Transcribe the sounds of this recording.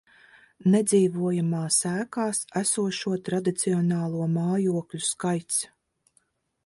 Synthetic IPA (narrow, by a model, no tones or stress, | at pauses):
nɛd̪ziːvuɔjamaːsæːkaːsæsuɔʃuɔt̪ɾad̪it̪siɔnaːlˠuɔmaːjuɔklʲuskajt̪s